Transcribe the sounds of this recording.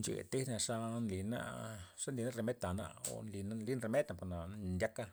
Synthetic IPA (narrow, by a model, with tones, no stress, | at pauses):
nd͡ʒḛ˨t̪i˦na˧ʂa˦nli˨na̰˦ʂa˦nli˧˦na˦ɾe˧me˦t̪a˨na̰˧o̰˨nli˨na˦nli˦nɾe˧me˦t̪na˧˨po˨na˨ndʲa˦ka˦